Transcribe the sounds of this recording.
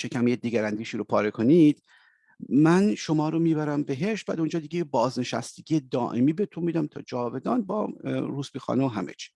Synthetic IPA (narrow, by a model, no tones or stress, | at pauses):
ʃecʰæmjed̪iːɡæɾænd̪iːʃiːɾopʰɒːɾekʰo̞nid̪̥ | mænʃo̞mɒːɾomiːbæɾæmbe̞ɦe̞ʃtvæ̰d̪und͡ʒɒːd̪iɡebɒːzneʃæ̰st̪eɟʲije̞d̪ɒːʔemiːbe̞t̪ʰunmid̪æmt̪ʰɒ̰ːd͡ʒɒːve̞d̪ɒːnbɒ̰ːɾuːsbiːxɒ̰ːneoɦæmḛt͡ʃʰi̥